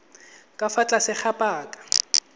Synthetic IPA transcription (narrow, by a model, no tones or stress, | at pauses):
kʼafat͡ɬʼasɪk͡xʰapʼaːkʼḁ